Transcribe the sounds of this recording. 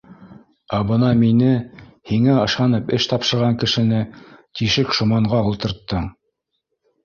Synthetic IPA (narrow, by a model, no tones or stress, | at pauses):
æbɤnɑminɘhiŋæɤ̆ʃɑnɤpɘʃt̪ɑpʃɤ̆ɾʁɑŋkɘ̆ʃɘ̆nɘt̪iʃɘkʃŭmɑɴʁɑulˠt̪ɤ̆ɾt̪ːɤɴ